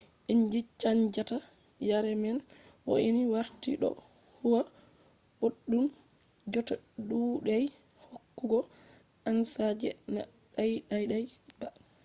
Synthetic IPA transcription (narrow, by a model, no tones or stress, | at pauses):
ʔiɲd͡ʒit͡ʃaɲd͡ʒata | jaɾɛmɛnwo̰ʔiniwaɾtiɗɔ̰ | huwa | ɓoɗːum | d͡ʒɔtaɗuɗɛj | hokːuɡɔ | ʔansad͡ʒɛ̰na̰ | ɗajɗajɗajba